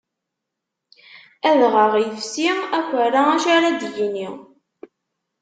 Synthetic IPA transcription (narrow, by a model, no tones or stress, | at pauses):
æðʁəʁijəfsiækʷəɾaæʃaɾad̪jiniʁ